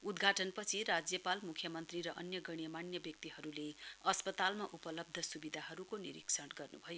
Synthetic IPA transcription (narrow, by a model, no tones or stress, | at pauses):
ud̪ɡʱaʈʌnpʌt͡sʰirad͡zjʌpalmukʰːjʌmʌnt̪riɾʌʔʌnjʌɡʌɽ̃jʌmanjʌbjʌk̚t̪iɦʌɾuleʌspʌt̪almaʔupʌlʌb̚d̪ʱʌsubid̪ʱaɦʌɾukoniɾḭksʌʈɡʌrnubʱʌjo